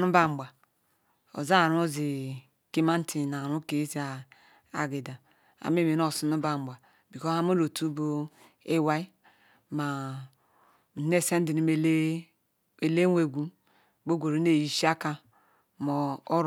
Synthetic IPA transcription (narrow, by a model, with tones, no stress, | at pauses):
nu˦ba˦m˨ba˨ | o̰˨za˦˨ɾu˦zi˨ | ke˦ma˦n̩˦ti˨n˨a˨ɾu˦ke˨˦zi˨˦a˨ | a̰˨ɡe˨da˨ | a̰˨m˦e˦˨me˨n˦o˦˨su˦nu˦ba˦m˨ba˨ | bi˨ko˦a˦mo˦ɾo˨tu˦bo˦ | e˦wa˦i˦ | ma˨ | ne˦˨se˦n˦di˨ni˨m˦ | e˨le˦wʷe˨ɡʷu˦ | bo˦ɡʷo˨ɾo˦ne˦˨ji˨ʃi˦a˦ka˦ | mo˨o˦ɾ